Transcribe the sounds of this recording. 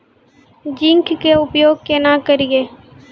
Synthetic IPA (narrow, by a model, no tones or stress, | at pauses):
d͡ʒɪ̃ŋkkeʊpjoːɡ̚kenakəɾiɡeː